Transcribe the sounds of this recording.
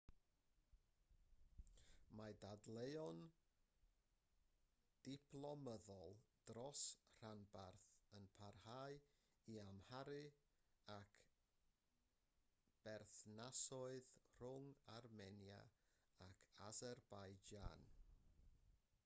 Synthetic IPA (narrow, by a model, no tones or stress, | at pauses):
madadlejɔn | d̥ɪpʰlˠɔməðɔlˠd̥rɔsr̥anbarθənpʰarhaj | iamhaɾɨ | akʰ | b̥ɛrθnasɔɨðr̥ʊŋarmɛnja̰ | akʰazɛrbajd͡ʒa̰n